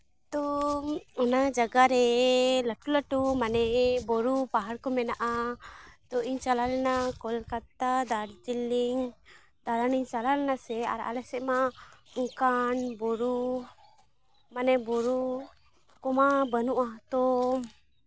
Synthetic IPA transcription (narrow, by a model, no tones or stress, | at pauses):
t̪ɔ | ɔnad͡ʒaɡaɾɛlaʈuləʈumanɛbɔɾupaɦaɾkɔmɛnaʔa | t̪ɔiɲt͡ʃalaɾɛnakɔlkat̪ad̪aɽd͡ʒiliŋ | d̪aɾaniɲt͡ʃalaɾɛnasɛa̰ɾa̰lɛsɛʔmauŋkanbɔɾu | manɛbɔɾu | kɔmabənuʔaɦt̪ɔ